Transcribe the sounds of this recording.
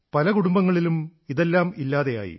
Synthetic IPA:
pɐlɐkuɽumbɐŋːɐɭilumiðelːaːmilːaːðeja̰ːjḭ

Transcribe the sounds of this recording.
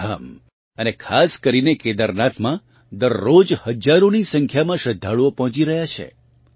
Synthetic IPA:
am | ənekʰaskəɾineked̪əɾnat̪ʰmã | d̪əɾːod͡ʒhəd͡ʒaɾonisə̃ŋkʰjamãʃəd̪ʱːaɭopɔɦɔ̃t͡ʃiɾəɦjat͡ʃʰḛ

